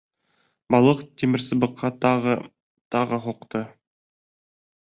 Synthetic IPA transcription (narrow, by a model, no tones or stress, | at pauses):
bɑlˠɤqt̪imɘ̆ɾsɤ̆bɤ̆qʰːɑʁ | t̪ɑʁɤɦuqt̪ɤ